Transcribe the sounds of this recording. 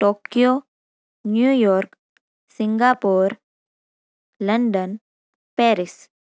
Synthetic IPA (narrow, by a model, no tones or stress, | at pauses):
ʈoːkijo | njuːjɔːɾk | siŋɡaːpoɾ | ləɳɖən | pɛːɾis